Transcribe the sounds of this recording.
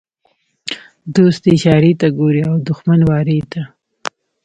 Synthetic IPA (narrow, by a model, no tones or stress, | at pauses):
d̪ost̪eʃɑɾit̪aɡoɾiawd̪ʊxmanwɑɾet̪a